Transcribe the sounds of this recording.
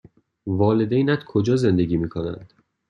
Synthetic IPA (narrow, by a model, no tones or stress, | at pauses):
vɒːle̞d̪ejnæt̪kʰod͡ʒɒːze̞nd̪eɡʲiːmiːkʰonæ̰nd̪̥